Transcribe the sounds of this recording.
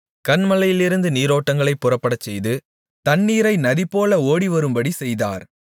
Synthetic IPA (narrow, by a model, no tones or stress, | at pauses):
kɐnmɐlɐjɪlɪɾɯnd̪ɯniːɾoːʈːɐŋɡɐɭɐɪpːʊrɐpːɐɽɐt͡ʃːɛjðɯ | t̪ɐnːiːɾɐɪnɐðipoːlɐoːɽiʋɐɾɯmbɐɽisɛjða̰ːɾ